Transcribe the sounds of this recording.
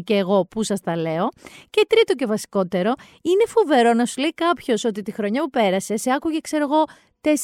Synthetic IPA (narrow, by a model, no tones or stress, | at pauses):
ceːɣo̞pusɐst̪ɐle̞o̞ce̞t̪ɾit̪o̞ce̞vɐsi̥ko̞t̪e̞ɾo̞ | ine̞fove̞ɾo̞nɐsuleikɐpço̞so̞t̪it̪ixɾo̞ɲɐpupe̞ɾɐse̞seɐkuʝe̞kse̞ɾoɣo̞ | t̪e̞s